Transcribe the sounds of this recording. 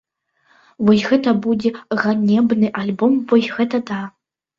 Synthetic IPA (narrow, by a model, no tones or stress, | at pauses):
wɔjɣɛt̪ɐbud͡zʲɛɣanʲɛbnɨʔalʲbɔmvɔjɣɛt̪ɐd̪a